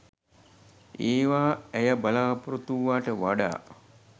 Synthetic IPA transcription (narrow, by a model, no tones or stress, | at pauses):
eːʋaːæjabalaːpuɾot̪uʋːaːʈəʋaɖa̰ː